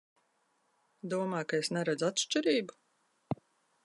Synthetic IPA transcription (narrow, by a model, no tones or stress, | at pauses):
d̪uɔmaːkaesnʲɛɾad̪zat̪ʃt͡ʃiɾiːbu